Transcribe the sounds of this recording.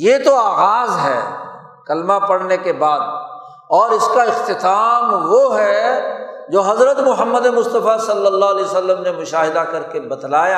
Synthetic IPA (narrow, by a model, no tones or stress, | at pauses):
jet̪oaːɣaːzɦɛ̰ː | kɐlmapɐɽnekebaːd̪̚ | ɔːɾɪskaɪqt̪ɪt̪aːmʋoɦɛ | d͡ʒoːɦɐzɾət̪mʊɦəmːəd̪emʊst̪əfasɐlːəlːaɦlɛosəlːəmnemʊʃaːɦɪd̪akɐɾkebɐd̪laːja